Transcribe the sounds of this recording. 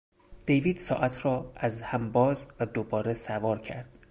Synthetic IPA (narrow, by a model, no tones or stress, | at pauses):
d̪̥ejviːd̪̥sɒːʔæt̪ʰɾɒːæzhæmbɒːzvæd̪obɒːɾesævɒːɾcʰæɾd̪̥